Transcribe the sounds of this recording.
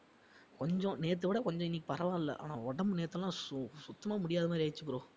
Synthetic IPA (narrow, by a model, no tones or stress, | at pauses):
kɔɲd͡ʒɔ̃neːt̪ːɯʋɪɽɐkɔɲd͡ʒɔ̃ɪnːɪk̬ːi̥pɐɾɐʋãːɪlːɐ̰ʔa̰ːnaːɔɽɐmɯneːt̪ːɐlːãːssʊt̪ːɐmaːmʊɽɪjaːðɐmaːdɾiɐɪt͡ʃːɯkːɯɾõː